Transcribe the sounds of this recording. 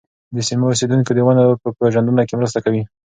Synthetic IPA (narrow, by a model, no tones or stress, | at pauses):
d̪əsimios̬ed̪uŋkod̪əwanapəpeʒand̪unakemɾəst̪akawi